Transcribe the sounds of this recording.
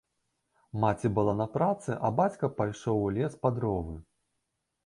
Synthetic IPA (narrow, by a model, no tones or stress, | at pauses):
mat͡sʲibɨlˠanɐpɾat̪sɨʔɐbat͡sʲkɐpajʂɔwlʲɛspad̪ɾɔvɨ